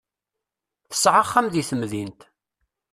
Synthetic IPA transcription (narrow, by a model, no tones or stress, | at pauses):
θə̥sʕaχːamðiθəmðint̪